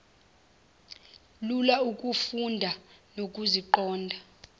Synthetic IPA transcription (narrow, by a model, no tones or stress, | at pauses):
lulaukʼufundʱanok̬ʼuziǃɔːndʱa